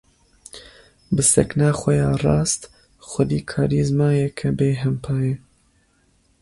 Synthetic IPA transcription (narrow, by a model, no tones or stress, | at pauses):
bɨsɛ̰knɑːxʷɛjɑːrɑːst̪ | xʷʊd̪iːkʰɑːɾiːzmɑːjɛkʰɛbeːɦɛmpʰɑːje